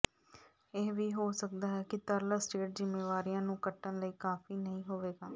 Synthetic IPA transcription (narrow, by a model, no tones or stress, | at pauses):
ɪːʋiːɦoːsəkd̪aːɦɛːkɪt̪əɾlaːsʈeːʈ̚zɪmːeːʋaːɾijãːnũːkəʈːənləiːkaːfʰiːnəɦĩːɦoːʋeːɡaː